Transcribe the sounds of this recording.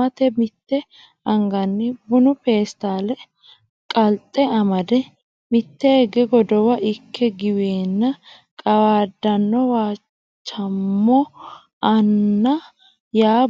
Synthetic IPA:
ɐt̪ɛmɪt̪ːɛ | ɐŋɡɐnːɪbʊnʊpe̞ːst̪aːlɛ | kʼɐlt̪ʼːɛɐmɐd̪ɛ | mɪt̪ːɛːɡɛɡɔd̪ɔwɐʔɪkʰːɛɡɪweːnːɐ | kʼɐwaːd̪ːɐnːɔwaː | t͡ʃːɐmːɔ | ɐnːɐ | jaː

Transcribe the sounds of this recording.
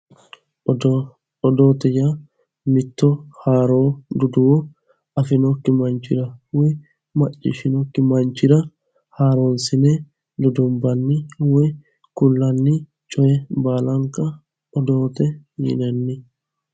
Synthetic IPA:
ɔd̪oːt̪ɛja | mɪt̪ːɔhaːɾoːd̪ʊd̪ʊwɔ | ɐfɪnɔkːɪmɐnt͡ʃːɪɾɐwɛ | mɐt͡ʃʼːɪ̰ʃɪnɔkːɪmɐnt͡ʃːɪɾɐ | haːɾonsɪnɛ | d̪ʊd̪ɔmbɐnːɪwɛ | kʊlːɐnːɪ | t͡ʃʼɔjɛbaːlɐŋkɐ | ɔd̪oːt̪ɛjɪ̰nɛnːɪ

